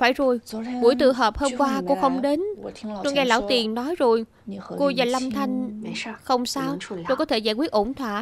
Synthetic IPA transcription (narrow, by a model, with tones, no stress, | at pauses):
faː˧˩jzo˨˩jku˧˩əjt̪ɨ̰˧˨ɦəː˨˩p̚hoː˧mkwaː˧ko˧xə˧wŋ͡mɗe˨˦no˧ɣaː˧jla̰ː˧˥˩wt̪i˨˩ənnɔ˨˦jzo˨˩j | ko˧zaː˨˩jla˧mt̪ʰa˧jŋ̟xə˧wŋ͡msaː˧wt̪o˧jkɔ˨˦t̪ʰe˧˩zaː˧˩jkwi˦˥ət̚ʔo˧˩nt̪ʰwa̰ː˧˨